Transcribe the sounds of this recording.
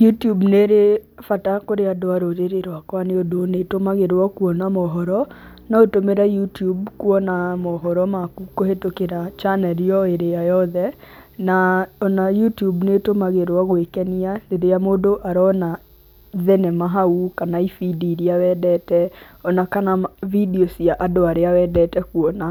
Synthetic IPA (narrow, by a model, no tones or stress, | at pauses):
jutiubneɾefatakoɾeadoaɾoɾeɾeɾwakwaneodonetomaɣeɾwɔkuɔnamɔɦɔɾɔ | naotomeɾajutiubkuɔnamɔɦɔɾɔmakukohetokeɾat͡ʃanɛɾiɔeɾejajɔðɛ | naɔnajutiubnetomaɣeɾɔɣoekɛnialeɾejamodoʔaɾɔna | ðɛnɛmaɦaukanaifidiɾiawɛdɛtɛɔnakanavidiosiaʔadoaɾeawɛdɛtɛkuɔna